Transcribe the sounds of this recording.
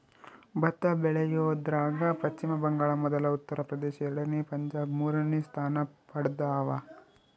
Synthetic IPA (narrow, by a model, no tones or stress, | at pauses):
bɐt̪ːɐbɛɭɛjoːd̪ɾaːɡɐpɐt͡ʃt͡ʃimɐbɐŋɡaːɭɐmɔd̪ɐlɐut̪ːɐɾɐpɾɐd̪ɛːʃijɐɾɐɽɐnːipɐɲd͡ʒaːbmuːɾɐnist̪ʰaːnɐpɐɽd̪aːʋɐ